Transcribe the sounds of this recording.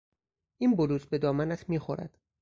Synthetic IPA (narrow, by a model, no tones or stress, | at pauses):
ʔiːnboluːsbe̞d̪ɒːmænæt̪ʰmiːxo̰ɾæ̰d̪̥